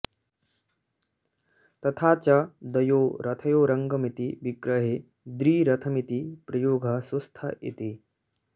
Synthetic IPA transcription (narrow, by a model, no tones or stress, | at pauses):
t̪ɐt̪ʰaːt͡ʃɐd̪ɐjoːɾɐt̪ʰɐjoːɾɐŋɡɐmit̪iʋikɾɐɦe | d̪ɾiːɾɐt̪ʰɐmit̪ipɾɐjoːɡʱɐsust̪ʰɐʔḭt̪i